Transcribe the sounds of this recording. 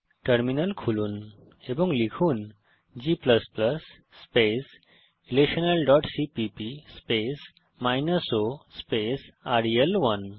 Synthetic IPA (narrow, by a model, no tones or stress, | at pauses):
ʈəɾminəlkʰuluːn | ebũŋɡlikʰuːn | d͡ʑipləspləsː | pes | ilekɕənəlɖɔʈsipipispes | majnəsospesaɾielʋən